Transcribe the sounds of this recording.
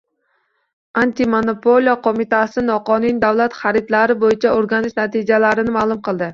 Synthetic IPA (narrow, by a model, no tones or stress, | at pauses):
ant̪ɪmonopʰolˠijɒqʰomɪt̪asɪnɒqɒnɪnd̪awlat̪χaɾɪt̪laɾɪbojɪt͡ʃʰaoɾɡʲanɪʃnat̪ʰɪd͡ʒalaɾɪnɪmaːlˠʊmqʰɨlˠd̪ɪ